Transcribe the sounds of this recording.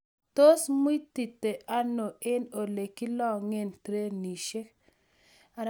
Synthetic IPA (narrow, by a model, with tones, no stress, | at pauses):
to˦smu˦ti˨tːe˨ʔa˦no˨ɪ˦no˨le˨ki˦lɔ˦ŋe˦nt̪ɾe˦ni˨ʃe˦k | a˨ɾ